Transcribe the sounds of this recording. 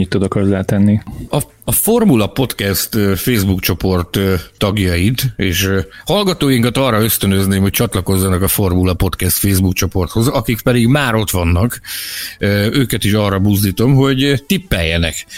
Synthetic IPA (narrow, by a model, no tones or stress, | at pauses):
ɲit̪ːud̪ɒkɒrzːaːt̪ɛnːiɒː | fo̞rmulɒpo̞t̪kɛst̪ːfeːzbukt͡ʃo̞po̞rt̪ːɒɡjɒjit̪eːʃhɒlɡɒt̪oːjiŋkɒt̪ɒrːɒø̞st̪ø̞nøzneːmho̞c̚t͡ʃɒt̪lɒko̞zːɒnɒkɒfo̞rmulɒpo̞t̪kɛst̪feːzbukt͡ʃo̞po̞rt̪ho̞zɒkikpɛd̪iɡmaːɾo̞t̪ʋɒnːɒk | øøːkɛt̪iʃɒrɒbuzd̪iːt̪o̞mɦo̞ɟt̪ipːɛjːɛnɛ̰k